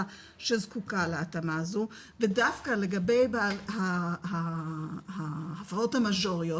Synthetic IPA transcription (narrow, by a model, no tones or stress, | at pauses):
ʃe̞zkukaleatamaːzu | vedafkale̞ɡabe̞jbalhaha | haafʁɐo̞thamaʒo̞ʁijo